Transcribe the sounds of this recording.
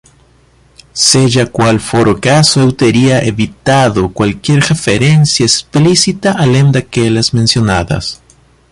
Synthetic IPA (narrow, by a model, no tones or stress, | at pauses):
seʝakwalfoɾokasoewt̪eɾiaʔeβit̪aðokwalkje̞ɾrefeɾensjaesplisit̪aʔalend̪akeʎazmensjo̞naða̰s